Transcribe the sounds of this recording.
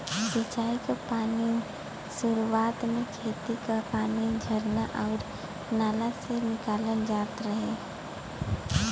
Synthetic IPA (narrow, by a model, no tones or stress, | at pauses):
sɪt͡ʃaːikapaːni | sʊɾuwaːt̪mẽkʰeːt̪ikapaːnid͡ʒʱəɾnaʔɔːɾ | naːlasenɪkaːlənd͡ʒaːt̪ɾəɦẽ